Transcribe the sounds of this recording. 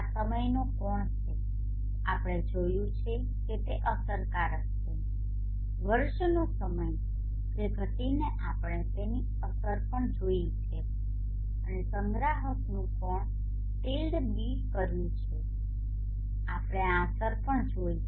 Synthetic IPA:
səməjnokɔɳt͡ʃʰe | a̰pɽ̃ed͡ʒojũt͡ʃʰe | ket̪eʔəsəɾkaɾəkt͡ʃʰe | ʋəɾʃnosəməj | peɡʱət̪ineʔapɽ̃et̪eni | əsəɾpəɳd͡ʒoit͡ʃʰe | ənesəŋɡɾaɦəknũkɔɳ | ʈilɖ | biɖkəɾjũt͡ʃʰe | apɽ̃easəɾpəɳd͡ʒoi

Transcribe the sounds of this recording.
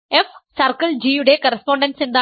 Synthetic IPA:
efsɐɾkɐld͡ʑiːjuɽekɐɾɐspoːɳɖɐnsind̪a

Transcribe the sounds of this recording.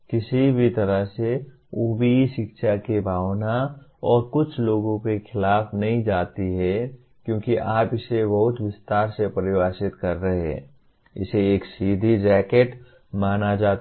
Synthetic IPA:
kɪsibʱit̪ɐɾəɦse | ubiʃɪkʃʰakebʱaːʋnaɔːɾkʊt͡ʃʰloːɡõkexʰɪlaːpʰnɐɦĩd͡ʒaːt̪iɦɛ | kjõːkiʔaːpɪsebɐɦʊt̪ʋɪst̪aːɾsepəɾɪwaːsɪt̪kɐɾːəɦeɛ̰̃ː | ɪ̰seeːksiːd̪ʱid͡ʒɛːkeʈ | maːnad͡ʒaːt̪

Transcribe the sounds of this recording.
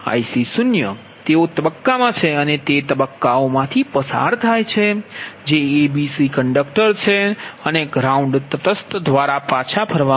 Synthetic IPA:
a̰jsisunjə | t̪eot̪əbəkːamãt͡ʃʰeənet̪et̪əbəkːaomãt̪ʰipəsa̰ɾt̪ʰajt͡ʃʰed͡ʒeːbisikəɳɖək̚ʈəɾt͡ʃʰeəneɡɾauɳɖt̪ət̪əst̪d̪ʋaɾapat͡ʃʰabʰʱəɾʋa

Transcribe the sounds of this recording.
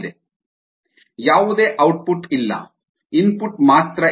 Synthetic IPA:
d̪e | jaːʋud̪eːʔɐwʈ̚puʈilːɐ̰ | inpuʈːmaːt̪ɾɐ

